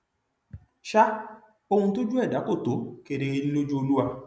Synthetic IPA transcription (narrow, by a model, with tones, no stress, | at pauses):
ʃa˦ | o˧hũ˧to˦d͡ʒu˦ɛ˦˨da˨˦ko˦˨to˨˦ke˧ɾe˧e˧li˦lo˦d͡ʒu˦o˧lu˦a˧